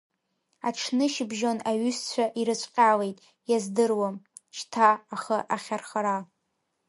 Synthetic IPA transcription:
aʈ͡ʂʰnɨʃɪbʒonaɥʏst͡ɕʷʰaʔiɾɨt͡ɕʷʼqʲʼale̞jtʼ | jazdɨrwam | ʃtʰaːχaʔaχʲarχaɾa

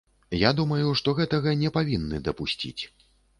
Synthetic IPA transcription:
jad̪umɐjuʂt̪ɔɣɛt̪ɐɣɐnʲɛpavʲinːɨd̪ɐpusʲt͡sʲḭt͡sʲ

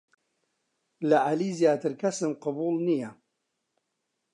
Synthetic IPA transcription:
lɐʔaliːzjaːt̪ʰɨɾkʰɐsɨmqɑbuːlˠnijɐ

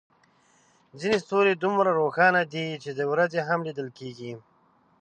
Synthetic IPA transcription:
zinest̪oɾed̪umɾaɾoxɑnad̪it͡ʃed̪əwɾazeɦamlid̪əlkeɡi

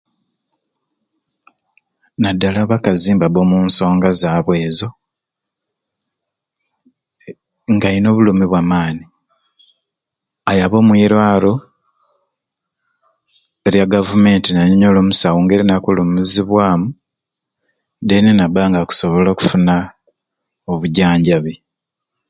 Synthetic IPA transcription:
nadːalaβakaziːmbabomuːnso̞ːŋɡazaːβwe̞ːzo̞ | ŋɡaino̞ːβulumiβwamaːni | ajaβo̞ːmwiɾwaːlo̞ | eɾjaɡavume̞ːntinaɲɲolo̞ːmusawoːŋɡeɾinakulumuziβwaːmu | denenabaŋɡaku̥so̞βo̞loːku̥funa | oβuɟaːɲɟaβe

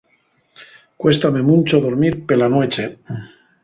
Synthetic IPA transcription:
kwe̞st̪ame̞mũnt͡ʃoðoɾmiɾpelanwet͡ʃe

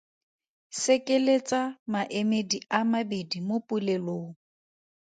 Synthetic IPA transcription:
sekʼelet͡sʼamaʔemediamabedimopʼuleloː

